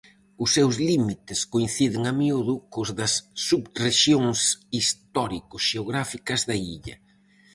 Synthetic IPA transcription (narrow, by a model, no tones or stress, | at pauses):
ʊsːewzlimit̪ɪskoĩnθiðɪŋɐmiuðʊkʊzðɐsːuβreʃjoŋsist̪ɔɾikʊsʃeoɣɾafikɐzðɐḭʎɐ̰